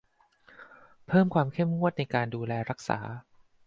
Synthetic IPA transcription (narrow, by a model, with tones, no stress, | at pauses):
pʰɤː˥˩mkʰwaː˧mkʰe˥˩mŋu˥˩ət̪̚na˧jkaː˧nduː˧lɛː˧ɾa˦˥k̚sa̰ː˩˦